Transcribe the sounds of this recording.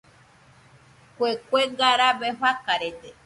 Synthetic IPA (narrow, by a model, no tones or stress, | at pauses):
kʷekʷeŋɡaɾaβeɦakaɾet̪e